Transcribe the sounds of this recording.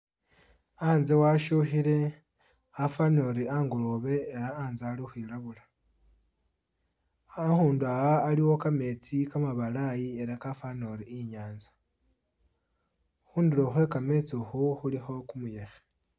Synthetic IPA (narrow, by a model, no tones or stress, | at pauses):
aːnzewaʃuxiɾe̞ | afano̞ɾiaːŋɡoloβe̞ːɾaːnzaːlixwilaβula | axuːnduaɣaːliwo̞kame̞t͡sikamaβalajie̞ɾakafano̞ɾiːɲaːnzḁ | xuːndilo̞xwe̞kame̞t͡sixuxulixo̞kumuje̞xe̥